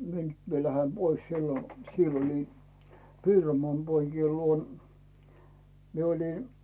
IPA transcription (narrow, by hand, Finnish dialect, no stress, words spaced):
mie nyt mie læhe pois silːo sielː olʲin piromoɑˑn poikiel luon mie oli